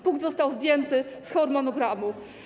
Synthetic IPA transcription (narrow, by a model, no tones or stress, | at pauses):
puŋɡd̪zɔst̪awzd̪ʲjɛnt̪ɘsxɔɾmɔnɔɡɾamu